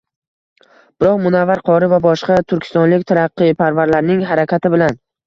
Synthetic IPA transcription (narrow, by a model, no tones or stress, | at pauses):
b̥ɪɾɒqmʊnavːaɾqʰɒɾɪvabɒʃqɑt̪ʰʊɾkʲʰɪ̥st̪ɒnlɪkʲt̪ʰaɾɑqːɨjpʰaɾvaɾlaɾnɪŋɦaɾakʲʰat̪ʰɪbɪlan